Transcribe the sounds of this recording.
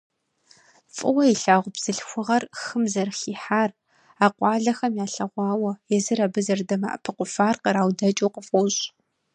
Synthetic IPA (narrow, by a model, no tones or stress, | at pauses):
fʼɨwɐiɬaːʁʷʊbz̥ɨɬxʷʊʁɐrxɨmzɐrxiːħaːr | aːqʷɑːɮɐxɐmjaːɬɐʁʷɑːwɐjɛzɨɾɐbɨzɐrdɐmɐʔɐ̰pʰɨqʷʊfaːrqəɾaːwdɐt͡ʃʼowqəfowɕʼ